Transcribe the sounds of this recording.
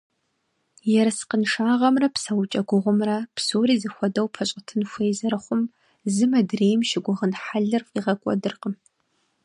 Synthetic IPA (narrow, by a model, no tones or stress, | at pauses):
jɛɾɨsqənʂaːʁɐmrɐpsɐwt͡ʃʼɐɡʷʊʁʷʊmrɐpsoːriːzɨxʷɔdɐwpʰɐɕʼɐtʰɨnxʷejzɐɾɐχʷʊm | zɨmɐdreːjɪmʃɪɡʷʊʁənħaɮɨrfʼiːʁɐkʷʼɔ̰dɨrqəm